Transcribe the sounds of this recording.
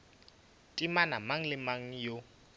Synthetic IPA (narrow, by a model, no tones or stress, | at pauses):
tʼimanamaŋ̩lɪmaŋ̩jo